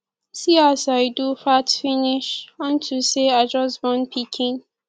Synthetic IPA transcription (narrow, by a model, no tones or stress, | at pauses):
siasaɪdufatfiniʃɔ̃ntʰuseaɪd͡ʒʌsbɔ̃npʰikʰĩŋ